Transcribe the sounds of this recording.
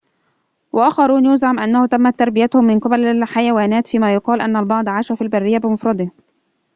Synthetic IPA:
wʔaʔæxɑɾˤuːnjʊzʕamʔænːæhʊt̪æmːæt̪ːɑɾˤbɪjæt̪ʊhʊmːɪnqɨbælħajæwæːnæːt̪fiːmæjʊqɑːlʔænːælbɑʕd̪ˤʕaːʃæfilbarːɪjːabɪmʊfɾˤɑd̪ˤeh

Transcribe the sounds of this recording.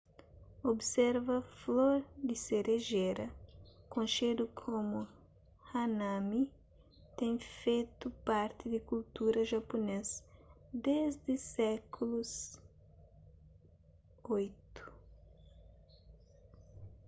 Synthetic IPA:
obsɛɾvɐfloɾd̪ɪseɾeʒeɾɐkõnʃed̪ukʰomu | hanami | t̪ẽj̃fejt̪upaɾt̪ɪd̪ɪkult̪uɾɐʒapones | d̪ezd̪ɪsɛkʰulus | ojt̪u̥

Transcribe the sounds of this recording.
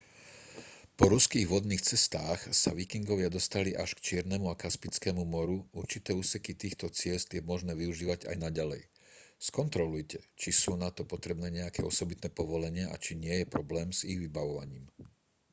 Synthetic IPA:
pɔɾuskiːɣʋɔd̪niːxt͡sɛst̪aːxsa̰ʋikiŋɡɔʋɪad̪ɔst̪aliʔaʃkt͡ʃɪɛɾnɛmuakaspit͡skɛːmumɔɾuuɾt͡ʃit̪ɛːuːsɛkit̪iːxt̪ɔt͡sɪɛzt̪jɛmɔʒnɛːʋiuʒiːʋaɟa̰jnaɟalɛ̰j | skɔnt̪ɾɔlujcɛt͡ʃisuːnat̪ɔpɔt̪ɾɛbnɛːɲɛakɛ̰ːɔsɔbit̪nɛːpɔʋɔlɛɲɪɛʔa̰t͡ʃiɲɪɛjɛpɾɔblɛːmz̥iɣʋibaʋɔʋa̰ɲiːm

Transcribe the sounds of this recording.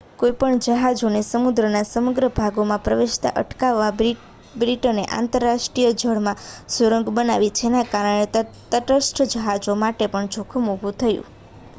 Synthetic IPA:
kojpəɳd͡ʒəɦad͡ʒonesəmud̪ɾənasəməɡɾəbʱaɡomãpɾəʋeʃt̪a̰ʔə̰ʈkaʋːa | bɾiʈoneʔa̰nt̪əɾːaʃʈɾijəd͡ʒʱəɭmãsuɾəŋɡbənaʋit͡ʃʰenakaɾəɳ̃et̪t̪əʈəsʈʰəd͡ʒəɦad͡ʒomaʈepəɳt͡ʃʰokʰəmubʱũt̪ʰəjṵ̃

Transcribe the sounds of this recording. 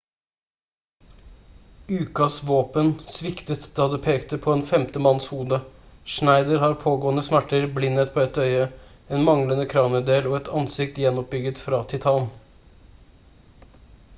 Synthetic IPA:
ʉːkɑsʋoːpənsʋɪkt̪ət̪d̪ɑːd̪epʰeːkt̪əpʰɔɛːnfɛmt̪əmɑnshuːd̪əʂnæɪd̪əɾhɑɾpʰoːɡoːənəsmæʈːəɾblɪnːət̪̚pʰɔɛt̪œʏə | eːnmɑŋlənəkʰɾɑːməd̪eːlɔːɛt̪ʰɑnsɪk̚t̪jɛnːɔp̚bʏɡət̪fɾɑːt̪ʰɪt̪ʰɑːn

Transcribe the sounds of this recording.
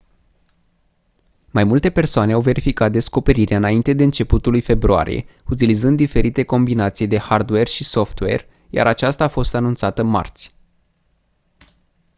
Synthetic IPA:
majmult̪e̞pe̞rsoane̞awve̞ɾifikat̪̚d̪e̞sko̞pe̞ɾiɾeɨnaint̪e̞d̪e̞ɨnt͡ʃe̞put̪ulujfe̞bɾoa̰ɾḭje̞̰ | ut̪ilizɨnd̪ːife̞ɾit̪e̞ko̞mbinat̪sijd̪e̞hard̪we̞rʃiso̞ft̪we̞̰r | ja̰ɾat͡ʃast̪aːfo̞st̪anunt̪sat̪əma̰rt̪sʲ

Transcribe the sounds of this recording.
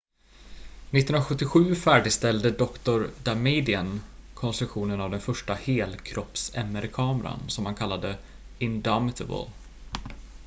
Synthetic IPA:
nɪt̪ːɵnaɧɵt̪ːɪɧʉ̟ːfæːɖɪɡst̪ɛld̪əd̪ɔkt̪ʊɾd̪amed̪ɪənkʰɔnst̪ɾɵkɧuːnənavd̪ɛnfœʂʈaheːlkʰɾɔpsɛ̰mːəɾkʰɑːmɾa̰nsɔmhankʰalːad̪ə | ɪnd̪amɪt̪ʰəbə̰l

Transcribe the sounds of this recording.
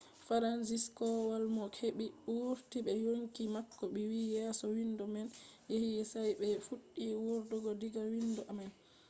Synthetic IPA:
faɾansiskɔwalmɔkʰeɓiɗuɾtiɓɛjoŋkimakːɔɓiwijɛsɔwindɔmɛnjehijɛsajɓɛfuɗːiwuɾdɔɡɔdiɡawindɔʔamɛn

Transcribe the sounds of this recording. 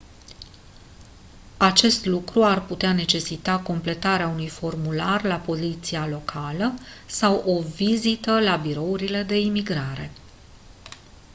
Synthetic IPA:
at͡ʃe̞st̪lukɾuarput̪eane̞t͡ʃe̞sit̪ako̞mple̞t̪aɾeaunujfo̞rmularlapo̞zit̪sialo̞kʰaləsawʔo̞vizit̪əlabiɾo̞uɾile̞d̪e̞imiɡɾaɾe̞̰

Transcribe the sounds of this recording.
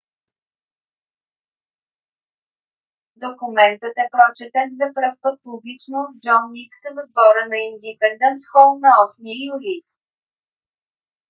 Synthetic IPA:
d̪okʊmɛnt̪ət̪ɛpɾɔt͡ʃɛt̪ɛt̪zɐpɾəfpɤt̪̚publit͡ʃnod͡ʒɔnːiksɛvod̪̚bɔɾənɐind̪ipɛnd̪ɛnt̪sxɔlˠnɐɔsmiəjuli

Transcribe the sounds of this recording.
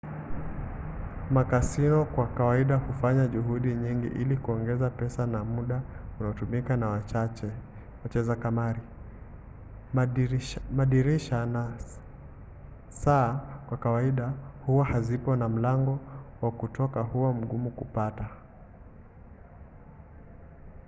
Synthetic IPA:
makasinɔkwakawaiɗahufaɲaʄuɦuɗiɲiŋɡḭʔilikuɔŋɡɛzapɛsanamuɗaunaɔtumikanawaat͡ʃɛ | wat͡ʃɛzakamaɾi | maɗiɾiʃana | saːkwakawaiɗahuwahazipɔnam̩laŋɡɔwakutɔkahuwam̩ɠumukupata

